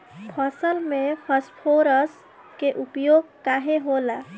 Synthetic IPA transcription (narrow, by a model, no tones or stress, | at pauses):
pʰəsəlmepʰəspʰoɾəs | keʔupjoɡ̚kaɦeɦola